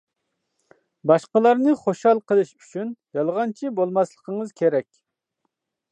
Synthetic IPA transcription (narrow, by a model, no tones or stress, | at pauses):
bɑʃqəlˠɑɾnɨχoʃhɑlˠqʰəlˠɨʃy̥t͡ʃʰynjɑlˠʁɑnt͡ʃʰibolˠmɑslˠə̥qʰəŋəzkʲʰeɾɛkʲ